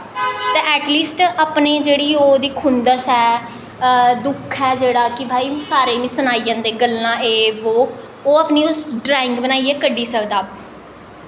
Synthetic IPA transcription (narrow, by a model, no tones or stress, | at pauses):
t̪eːʔɛːʈliːsʈaːpneːd͡ʒeːɽiːoːd̪iːkʰʊnd̪əsɛː | d̪ʊkʰɦɛːd͡ʒeːɽaːkɪbʱaːiːsaːɾeːʋĩːsənaːijãːd̪eːɡəlãːeːʋoː | oːaːpniːʊsɖɾaːɪ̃ŋɡbənaːiːeːkəɖːiːsəkd̪aː